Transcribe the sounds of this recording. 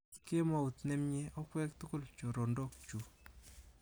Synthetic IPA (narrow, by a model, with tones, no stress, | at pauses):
ke˦ma˨u˨t̪nɛ˦mɲe˦ʔɔ˦kwɛ˦k̚tʊ˦kʊ˦lt͡ʃo˨ɾɔ˨ndɔ˦kt͡ʃu˨